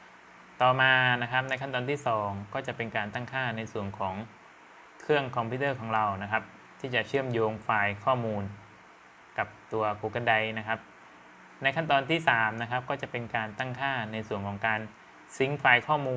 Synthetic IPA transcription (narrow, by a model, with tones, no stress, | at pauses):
t̪ɔː˨˩maː˧na˦˥kʰa˦˥p̚na˧jkʰa˥˩nt̪ɔː˧nt̪ʰiː˥˩sɔː˩˦ŋkɔː˥˩t͡ɕa˨˩ʔpe˧nkaː˧nt̪a˥˩ŋkʰaː˥˩na˧jsu˨˩ənkʰɔː˩˦ŋ | kʰɾɯ˥˩əŋkʰɔ˧mpʰiː˦˥t̪ɤː˥˩kʰɔː˩˦ŋɾa˧wna˦˥kʰa˦˥p̚ | t̪ʰiː˥˩t͡ɕa˨˩t͡ɕʰɯ˥˩əmjoː˧ŋfaː˧jkʰɔː˥˩muː˧n | ka˨˩p̚t̪u˧ɐkʰuː˧˩ka˧nda˧jna˦˥kʰa˦˥p̚ | na˧jkʰa˥˩nt̪ɔː˧nt̪ʰiː˥˩saː˩˦mna˦˥kʰa˦˥p̚kɔː˥˩t͡ɕa˨˩pe˧nkaː˧nt̪a˥˩ŋkʰaː˥˩na˧jsu˨˩əŋkʰɔː˩˦ŋkaː˧n | si˨˩˦ŋfaː˧jkʰɔː˥˩muː˧